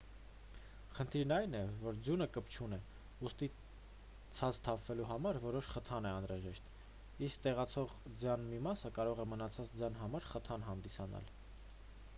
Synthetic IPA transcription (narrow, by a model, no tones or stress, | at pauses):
χənt̪ʰiɾnɑjnɛvɔɾd͡zjunəkəpt͡ʃʰunɛ | ust̪i | t͡sʰɑt͡st̪ʰɑpʰvɛluɦɑmɑɾvɔɾɔʃχət̪ʰɑnɛɑnɾɑʒɛʃt̪ | isk̚t̪ɛʁɑt͡sʰɔʁd͡zjɑnmimɑsəkɑɾɔʁɛmənɑt͡sʰɑt͡sd͡zjɑnɦɑmɑɾχət̪ʰɑnɦɑnd̪isɑnɑ̰l